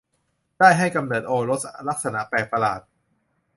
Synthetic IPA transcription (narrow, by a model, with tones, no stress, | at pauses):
d̥aː˥˩jɦa˥˩jka˧mnɤː˨˩t̪̚ʔoː˧ɾo˦˥t̪̚la˦˥k̚sa˧na˧˥pɛː˨˩k̚pa˧la̰ː˨˩t̪̚